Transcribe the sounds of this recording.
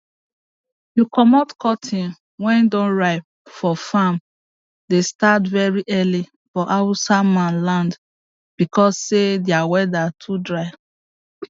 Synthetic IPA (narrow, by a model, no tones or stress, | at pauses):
jukɔmɔtkʰɔtʰĩn | wɛ̃ndõnɹaɪ | fɔfam | destatvɛɹiʔɛli | fɔʔawusamãnlãnd | b̥ikɔsːedjawɛdatʰudɹaɪ